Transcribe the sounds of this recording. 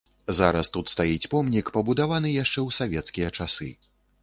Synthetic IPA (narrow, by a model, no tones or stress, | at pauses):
zaɾɐst̪ut̪st̪ajit͡sʲpɔmnʲikpɐbud̪avanɨjaʂt͡ʂɛwsavʲɛt̪skʲijɐt͡ʂasɨ̰